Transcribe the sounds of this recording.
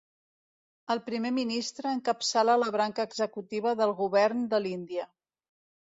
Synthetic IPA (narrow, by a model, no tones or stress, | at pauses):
əlˠpɾimeminist̪ɾəːŋkəpsalaləβɾaŋkəːɡzəkut̪iβ̞əðəlˠɣuβɛrnd̪əlind̪iə